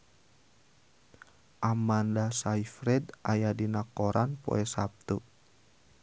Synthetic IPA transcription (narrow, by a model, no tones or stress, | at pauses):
ʔamandasaifɾɛd̪ajadinakɔɾʔanpo̰ɛsap̚t̪u